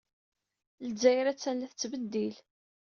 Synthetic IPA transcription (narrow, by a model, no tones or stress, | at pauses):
lzæjɾæt͡sːænlæθət͡sːbəd̪ːil